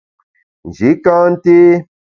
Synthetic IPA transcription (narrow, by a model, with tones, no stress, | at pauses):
d͡ʒi˨˦kãː˦nt̪i˦